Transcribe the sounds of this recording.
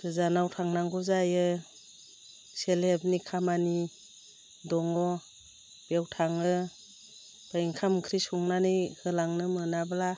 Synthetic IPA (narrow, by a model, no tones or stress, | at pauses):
ɾɯzanawtʰaŋnaŋɡuzajɯ | selheb̚nikʰamani | dɔŋɔ | b̥iawtʰaŋɯ | b̥ajŋkʰamkʰɾisuŋnanɯjhɯlaŋnɯmɯnabla